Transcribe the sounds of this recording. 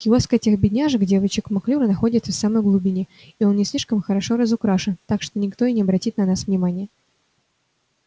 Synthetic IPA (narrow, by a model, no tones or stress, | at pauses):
kʲɪoskətʲexbʲɪdʲnʲaʐɨkdʲe̞vət͡ɕɪkmɐklʲuɾənɐxo̞dʲɪt̪səfsaməjɡlˠʊbʲinʲɪ | ɪo̞nnʲɪsʲlʲiʂkəmxəɾɐʂo̞ɾəzʊkɾaʂɨnt̪akʂt̪onʲɪkt̪o̞ɪnʲɪɐbɾɐtʲit̪̚nɐnasvnʲɪmanʲɪjə